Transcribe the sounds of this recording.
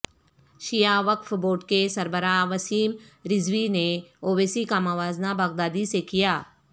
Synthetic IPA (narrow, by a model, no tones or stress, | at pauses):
ʃijaʋɐkfboːʈkesɐɾbəɾaːʋɐsiːm | ɾɪzʋineoːʋeːsikaːmaʋaːznabɐɣd̪aːd̪isekijaː